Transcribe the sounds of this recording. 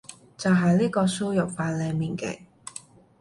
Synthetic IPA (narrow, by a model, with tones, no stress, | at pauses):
t͡sɐ˨wɦɐ˨jliː˥kɔː˧so˥wjɐ˨k̚faː˧t̚lɛː˧ŋmiː˨˩nkɛ̰˨˧˥